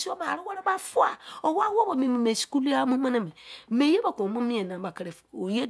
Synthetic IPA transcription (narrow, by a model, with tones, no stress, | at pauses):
si˦o˦ma˨ɾi˦wɛ˦ɾe˦ba˦fu˦a˦˨o˨˦wa˦wo˦bo˨mĩ˨mi˨me˨si̥˨ku˦li˦a˦mũ˦mã˦na˦mẽ˨me˨˦je˦ba˨kõ˨mõ˦mĩ˦e˨nã˨ba˨ke˨ɾe˨o˨je˦